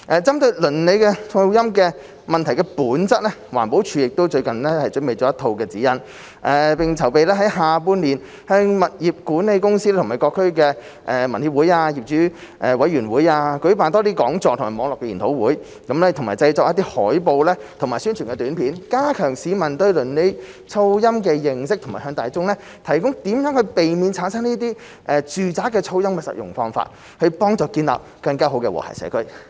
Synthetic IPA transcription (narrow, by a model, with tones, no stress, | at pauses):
ʔɛː˨˧t͡sɐ˥mt̪ɵ˧ɥlɵ˨˩nle˨˧jkɛ˧tʰʊ˧ŋo˧jɐ˥mkɛː˧ | mɐ˨nt̪ʰɐ˨˩jkɛ˧puː˨˥nt͡sɐ˥t̚lɛː˥waː˨˩npo˨˥wt͡ʃʰyː˨˥jɪ˨k̚t̪o˥wt͡ʃɵ˧ɥkɐ˨˩nlɛ˥hɐ˨jt͡ʃɵ˨˥nmpe˨jt͡sɔ˨˦˥ɐ˥t̪ʰo˧wkɛː˧t͡siː˨˥jɐ˥n | ʔɛː˨˩pɪ˨ŋt͡sʰɐ˨˩wpe˨jlɛː˥ɦɐ˨˥jɦaː˨˧p̬uː˧˥nliː˨˩n | hɛː˧ŋmɐ˨t̚jiː˨˩p̚kuː˨˥nne˨˧jkʊ˥ŋsiː˥lɛ˥t̪ʰmaː˨˩jkɔː˧kʰːɵ˥ɥkɛː˧ | ʔɛː˨˩mɐ˨nhi˧p̚wuː˨˥jaː˧ji˨p̚t͡ʃyː˨˥ | ʔɛː˨˧wɐ˨˥jɥy˨˩nwuː˨˥jaː˧kɵ˨˥ɥpaː˨nt̪ɔː˥t̪iː˥kɔː˨˥ŋt͡sɔː˧˨t̪ʰʊ˨˩maː˨˩mɔː˨˧ŋlɔː˨kːɛ˧ji˨˩nt̪ʰo˨˥wuː˨˥j | kɐ˨˥mlɛː˥t̪ʰʊ˨˩ŋmaː˨˩jt͡sɐ˧jt͡sɔː˧kjɐ˥t̪̬iː˥hɔː˨˥jpo˧wlɛː˥t̪ʰʊ˨˩ŋmaː˨˩jsy˥nt͡ʃʰy˨˩ŋkɛ˧t̪yː˨˥npʰiː˨˥nkaː˥kʰœː˨˩ŋsiː˨˧mɐ˨˩nt̪ɵ˧ɥlɵ˨˩nle˨˥j | t͡sʰo˥wjɐ˥mk̬ɛː˧jɪ˧ŋsɪ˥k̚tʰʊ˨˩ŋmaː˨˩hœː˨˧ŋt̪aː˨jt͡sʊ˥ŋlɛː˥ | t̪ʰɐ˨˩jkʊ˥ŋt̪iː˨˥mjœː˨˥ŋhɵ˧ɥpe˨jmiː˨˧nt͡sʰaː˨˥nsɐ˥ŋniː˥t̪iː˥ | ʔɛː˨˧t͡ʃyː˨˩t͡saː˨˥kɛː˧t͡sʰo˥wjɐ˥mkɛː˧sɐ̰˨t̚jʊ̰˨˩ŋfɔː˧ŋfa̰ː˧t̚ | hɵ˧pɔː˥ŋt͡sɔː˧kiː˧nla̰ː˨p̚kɐ˧ŋkaː˥ɦo˨˥wkɛː˧wɔ̰ː˨˩tʰɐ̰˨˩sɛ̰ː˨˥kʰɵ˥ɥ